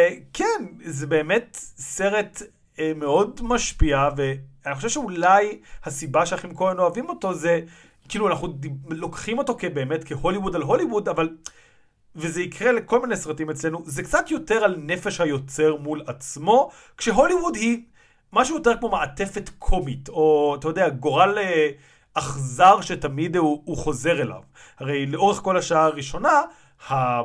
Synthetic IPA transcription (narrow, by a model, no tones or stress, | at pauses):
kʰenzebe̞ːme̞tse̞ʁe̞t | me̞o̞dmaʃpiaveanixχo̞ʃevʃeulajhasibaʃeaχimkoʁenoavimo̞to̞ze | kiluanaχnudilo̞kχimo̞to̞kebe̞ːme̞tke̞ho̞liwudalɦo̞liwudaval | vezeikʁe̞le̞ko̞lminesʁatime̞t͡sle̞nuzekt͡sat̪jo̞te̞ʁalne̞feʃhajo̞t͡se̞ʁmulat͡smo̞ | kʃeɦo̞liwudhi | maʃ̬ujo̞te̞ʁkmo̞maate̞fe̞tkʰomito̞atajo̞d̪eaɡo̞ʁale | ʔaχzaʁʃetamid̪uuχo̞ze̞ʁela̰v | haʁe̞jleʔo̞ʁeχko̞laʃaaʁiʃo̞na | ha